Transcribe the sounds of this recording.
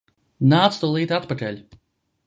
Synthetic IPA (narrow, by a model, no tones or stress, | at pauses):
naːt̪st̪ulˠiːt̪at̪pakɛlʲ